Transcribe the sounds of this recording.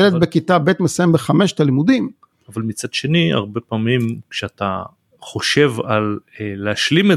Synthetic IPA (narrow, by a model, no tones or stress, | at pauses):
elet̚bekitabet̪mesajembeχame̞ʃt̪alimud̪im | avalmit͡sad̪ʃe̞nia̰ʁbe̞paːmimkʃeat̪a | χo̞ʃe̞valleaʃlime